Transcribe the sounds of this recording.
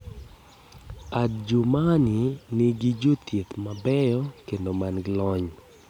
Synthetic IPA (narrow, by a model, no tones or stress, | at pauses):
add͡ʒumaninɪɡid͡ʒot̪et̪mabɛjɔkendomanɡɪlɔɲ